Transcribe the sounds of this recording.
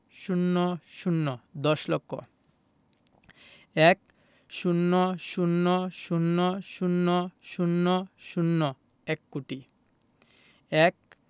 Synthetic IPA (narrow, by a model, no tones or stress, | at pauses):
ʃunːoʃunːod̪ɔʃlɔkːo̰ | ɛk | ʃunːoʃunːoʃunːoʃunːoʃunːoʃunːo | ɛkːuʈi | ɛk̚